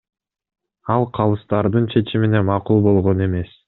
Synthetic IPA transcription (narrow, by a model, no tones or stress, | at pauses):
ɑlˠqʰɑlˠɯst̪ɑɾd̪ɯnt͡ʃʰe̞t͡ʃimine̞mɑqulˠbo̞lˠʁo̞ne̞me̞s